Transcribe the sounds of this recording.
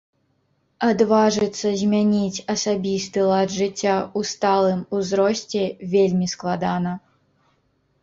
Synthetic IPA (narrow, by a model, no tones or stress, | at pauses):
ad̪vaʐɨt̪sːɐzʲmʲanʲit͡sʲɐsabʲist̪ɨlˠadʐɨt͡sʲːaust̪alˠɨmuzɾɔsʲt͡sʲɛvʲelʲmʲisklˠad̪anɐ